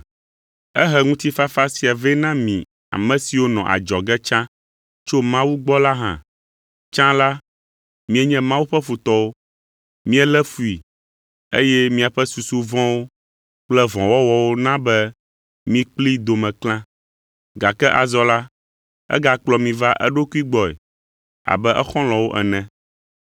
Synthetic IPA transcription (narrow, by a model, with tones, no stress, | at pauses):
ɛ˦ɦɛ˨ŋũ˦t̪i˦fa˦fa˦si˦a˨vɛ˦nã˦mĩ˨ | a̰˨mɛ̃˨si˨wo˦nɔ̰̃˨ʔa̰˨d͡ʒɔ˨ɡɛ˦t͡ʃã˦ | t͡ʃo˦mã˦wu˦ɡ͡bɔ˦la˦ɦã̰˨ | t͡ʃã˦la˦ | mĩ˦ɛ˦ɲɛ̃˦mã˦wu˦ɸɛ˦fu˨t̪ɔ˦wo˦ | mĩ˦ɛ˦lɛ˦fu˨i˨ | ḛ˦jɛ˦mĩ˦a˨ɸɛ˦su˨su˦vɔ̃˦wo˦ | k͡plɛ˦vɔ̃˨wɔ˦wɔ˨wo˦nã˦bɛ˦ | mĩ˦k͡pli˦d̪o˨mɛ̃˨klã˦ | ɡa˨kɛ˦ʔa˨zɔ˦la˦ | ɛ̰˦ɡa˨k͡plɔ˨mĩ˨va˦ʔɛ˦ɖo˦ku˦i˦ɡ͡bɔ˨ɛ̰˨ | a̰˨bɛ˦ʔɛ˦xɔ̃˦lɔ̃˨wo˦ʔɛ˨nɛ̃˨